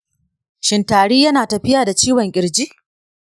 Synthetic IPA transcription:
ʃɪ˨ntaː˨ɽiː˦jɐ˦naː˨tɐ˨ɸɪ˦jaː˨da˨t͡ʃiː˦wɐ˨ŋkʲʼɪ˨ɽd͡ʒi˦ʔ

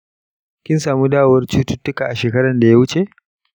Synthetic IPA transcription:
kʲɪ˦nsaː˨muː˦daː˦˨wɐ˦rt͡ʃuː˦tʊ˦tːʊ˦kaː˨ʔa˨ʃeː˨kɐ˦ɽɐ˨nda˨ja˦wʊ˦t͡ʃe˨

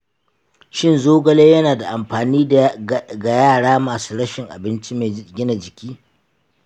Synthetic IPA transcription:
ʃɪ˦nzoː˦ɡɐ˦leː˦jɐ˦naː˨da˨ʔa˨mɸaː˨niː˦ | ɡa˨jaː˦˨ɽaː˦maː˨suː˦ɽɐ˦ʃɪ˨ŋʔa̰˨bɪ˦nt͡ʃi˦me˨ɡʲɪ˦na˨d͡ʒɪ˨kʲiː˦

